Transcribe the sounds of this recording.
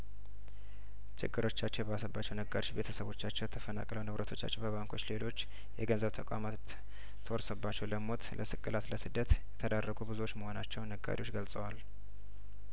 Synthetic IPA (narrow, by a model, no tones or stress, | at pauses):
t͡ʃɪɡːɨɾo̞t͡ʃːat͡ʃːɛjbasəbːat͡ʃːɛwnəɡaɾiobe̞t̪ʰəsəβo̞t͡ʃːat͡ʃːɛwjɛt̪ʰəfəna̰kʼləwnɨβɾʔət̪ʰo̞t͡ʃːa̰t͡ʃːɛwbəβaŋkʰo̞t͡ʃːle̞lo̞t͡ʃː | jɛɡənzəβt̪ʰəkʼa̰mat̪ʰː | əwɔɾsəbːat͡ʃːɛwləmo̞t̪lʔəsɨkʼːɨlat̪ləsɨd̪ːət̪jɛt̪ʰəd̪arːəɡubɨzuo̞t͡ʃːməho̞nat͡ʃːɛwnəɡːa̰ɾiwo̞t͡ʃːɡəlsʼəwal